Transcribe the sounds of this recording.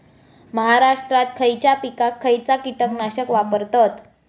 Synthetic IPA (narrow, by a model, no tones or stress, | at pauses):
məɦaɾaʂʈɾat̪̚kʰəjt͡ɕjapikakʰːəjt͡sakit̪əknaɕəkʋapəɾt̪ɔt̪